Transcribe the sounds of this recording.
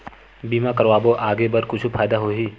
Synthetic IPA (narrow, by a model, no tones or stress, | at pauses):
biːmãkɐɾʋaːboʔaːɡebɐɾkʊt͡ʃʰupʰaːjd̪aɦoɦiː